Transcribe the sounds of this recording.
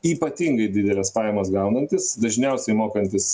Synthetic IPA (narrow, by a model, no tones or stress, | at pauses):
iːpɐt̪ʲiːŋɡɐɪd̪ʲɪd̪ʲɛlʲɛspɑːjɛmɐsɡɐʊnɐnʲt̪ʲɪsd̪ɐʒʲnʲɛʊsʲɛɪmoːkɐnʲt̪ʲɪs